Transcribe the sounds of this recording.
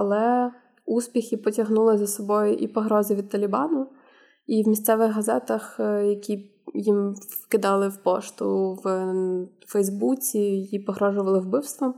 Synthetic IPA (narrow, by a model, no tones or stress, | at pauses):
ɐlˠɛ | uspʲixʲɪpɔtʲɐɦnulˠɪzɐsɔbɔjʊʔipɔɦɾɔzɪʋʲid̪̚t̪ɐlʲɪbɑnʊ | iwmʲist̪sɛʋɪɣɦɐzɛt̪ɐxjɐkʲi | jimkɪd̪ɑlˠɪwpɔ̰ʃt̪ʊ̰w | fɛjzbut͡sʲijipɔɦɾɔʒʊʋɐlˠɪwbɪwst̪ʋɔm